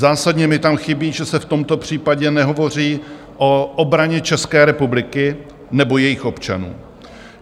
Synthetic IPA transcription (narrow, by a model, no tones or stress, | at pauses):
zaːsadɲɛmɪt̪amxɪbiːʒɛsɛft̪o̞mt̪o̞pr̝̥iːpaɟɛnɛɦo̞vo̞r̝iː | ʔo̞ʔobɾaɲɛt͡ʃɛskɛːɾɛpublɪkɪ | nɛbo̞jɛjɪxo̞pt͡ʃa̰nṵː